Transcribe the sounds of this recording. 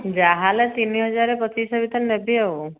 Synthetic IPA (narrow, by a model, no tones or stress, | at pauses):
d͡ʒaɦalet̪iniɦɔd͡ʒaɾepɔt͡ʃisɔbit̪ɔlnebiew